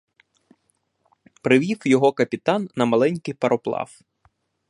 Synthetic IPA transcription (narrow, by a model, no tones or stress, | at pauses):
pɾɪʋʲiwjɔɦɔkɐpʲit̪ɑnːɐmɐlˠɛnʲkɪjpɐɾʔɔplˠɑ̰w